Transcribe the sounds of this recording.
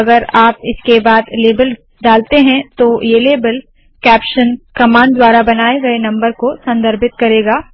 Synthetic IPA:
ɐɡəɾaːpɪskebaːd̪leːbəl | ɖaːlt̪eɦɛ̃t̪ojeleːbəl | kɛːpʃənkɐmãːɳɖd̪waːɾabɐnaːeɡɐenɐ̃mbəɾkosɐ̃nd̪ʱəɾbɪt̪̚kɐɾeːɡaː

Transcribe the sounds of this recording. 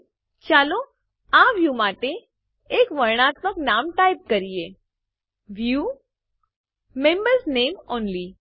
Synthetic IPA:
t͡ʃalo | ãʋjumaʈeː | kʋəɾɳ̃at̪məknamʈaip̚kəɾie | ʋju | mẽmbəɾsnemɔnli

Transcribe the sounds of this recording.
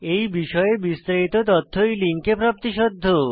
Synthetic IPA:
ejbiʃɔebist̪aɾit̪ot̪ot̪ʰːojliŋkepɾap̚t̪iʃod̪ʱːo

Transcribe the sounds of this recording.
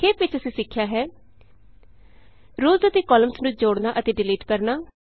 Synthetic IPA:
keːpɪt͡ʃəsĩːsɪkʰːjaːɦɛː | ɾoːzət̪eːkɔːləmsnũːd͡ʒoːɽnaːʔət̪eːɖɪliːʈkəɾnaː

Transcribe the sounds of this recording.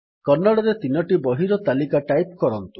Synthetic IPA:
kɔnːaɽɔɾet̪inɔʈibɔɦiɾɔt̪alikaʈajp̚kɔɾɔnt̪u

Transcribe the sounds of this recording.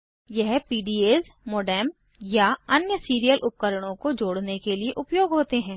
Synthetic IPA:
jɛɦpiːɖiːeːzmoːɖɛːm | jaɐnjəsiːɾijəlʔʊp̚kəɾəɽ̃õkod͡ʒoːɽnekelieʔʊpjoːɡɦoːt̪eɦɛ̃ː

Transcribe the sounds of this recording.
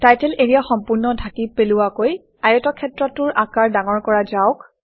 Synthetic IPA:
tajtɛleɹijaxɔmpuɹnɔdʱakipelʊwakoj | ajɔtɔkʰɛtɹɔtːʊɹʔakaɹdaŋɔɹkɔɹazaʊk

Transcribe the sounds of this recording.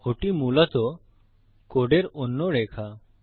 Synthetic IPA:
oʈimuːlat̪o | koɽeɾonːoɽekʰa

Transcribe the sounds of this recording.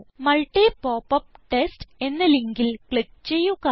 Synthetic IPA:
mɐɭʈːepoːpːɐp̚ʈesʈe̞nːɐleŋɡilkɭik̚t͡ɕejːuka

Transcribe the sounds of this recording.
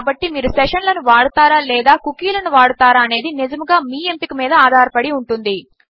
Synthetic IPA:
bɐʈːimiːɾusɛʂɐnlɐnuʋaːɽut̪aːɾaːlɛːd̪aːkukiːlɐnuʋaːɽut̪aːɾaːɐne̞ːd̪inid͡ʒɐmuɡaːmiːe̞mpikɐmiːd̪ɐaːd̪ʱaːɾɐpɐɽiuɳʈund̪i

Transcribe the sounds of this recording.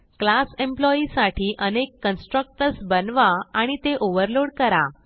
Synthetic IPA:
klasemplɔisaʈʰiːʔənekːənsʈɾək̚ʈəɾsbənʋaaɽ̃it̪eʔoʋəɾloɽkəɾa

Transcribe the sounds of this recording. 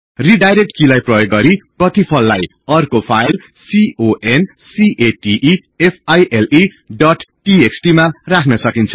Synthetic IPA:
riɖajɾek̚ʈkilajprʌjoɡːʌɾiprʌt̪ipʰʌlːaj | ʌrkopʰajl | sioʔen | siʔeʈiʔi | epʰajʔeli | ɖʌʈʈieksʈimarakʰnʌsʌkint͡sʰʌ̥

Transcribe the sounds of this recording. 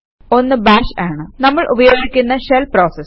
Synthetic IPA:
o̞nːɨbaːʂaːɳɨnɐmːɐɭʔubɐjo̞ːɡikʲːunːɐʂelproːsɐs

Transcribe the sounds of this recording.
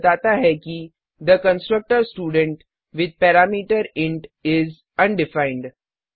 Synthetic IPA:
d͡ʒaːt̪aɦɛki | d̪əkə̃nsʈɾək̚ʈəɾsʈuːɖə̃ɳʈ | ʋɪd̪̚pɛːɾaːmiːʈəɾɪ̃ɳʈɪz | ɐ̃nɖɪfãɪ̃ɳɖ

